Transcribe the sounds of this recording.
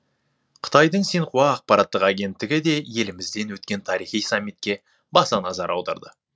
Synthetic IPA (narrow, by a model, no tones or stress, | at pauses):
qʰə̥t̪ɑjd̪əɴseɴqʰuɑːq̚pɑɾɑt̪ːəqaɡʲe̞nt̪ːɪɡʲɪd̪e̞je̞lɪmɪzd̪e̞nwɵt̪̚kʲe̞nt̪ʰɑɾijχijsɑmːit̪kʲe̞ | bɑsɑnɑzɑɾɑwd̪ɑ̰ɾd̪ə